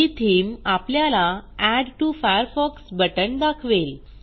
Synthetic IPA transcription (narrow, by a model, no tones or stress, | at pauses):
it̪ʰiːmapljalaæɖʈufajəɾfɔksbəʈəɳd̪akʰʋel